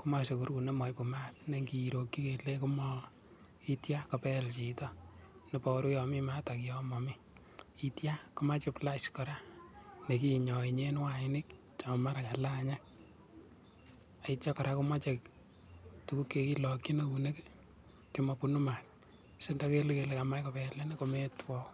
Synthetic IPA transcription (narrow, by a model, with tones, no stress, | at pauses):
ku˦ma˦se˨ku˨ɾku˨ne˦mɔ˨jpu˨ma˦t̚ne˦ŋɡiː˨ɾo˨kːi˦kele˦ku˦mɔ | i˦tja˦kapɛ˦lt͡ʃi˨tɔ˦ | ne˨pɔ˨˦ɾu˦jɔ˨mima˦ta˨kjɔ˦mɔ˨mi˦ | i˦tja˦ku˦ma˦t͡ʃɪ˦plaskɔ˨ɾa˦ne˨ki˦ɲɔ˨iɲe˦nwaɪnɪ˦kt͡ʃa˨ma˦ɾaka˨la˦ɲa˦k | a˨itja˦kɔ˨ɾa˦kʊ˦ma˦t͡ʃek | tu˨ku˦kːe˧ki˦lɔ˨kːi˦neune˦k | ki˦mɔ˧punu˦ma˨t̚ | sɪ˦ntake˦leke˨le˦ka˨ma˦jka˨pɛle˦nekometwɔ˦